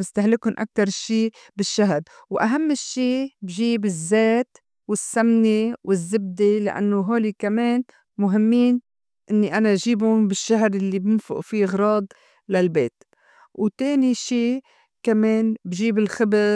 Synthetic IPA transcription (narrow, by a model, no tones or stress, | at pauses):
mɪst̪ahlɪkʊnʔa̰k̚t̪ɑɾˤʃiː | bɪʃːaɦɾ | wʔa̰ɦamːɪʃːiːbʒiːbɪzːeːt̪ | wɪsːamnewɪzːɪb̚d̪ela̰ʔa̰nːoɦoːlikameːn | mʊɦɪmːiːn | ʔɪnːiʔanaʒiːbʊnbɪʃːaɦɾlːibɪnfʊ̰ʔfiʔɣɾˤɑːd̪ˤ | lalbeːt̪ | wt̪eːniʃiː | kameːnbʒiːbɪlxɪbɪ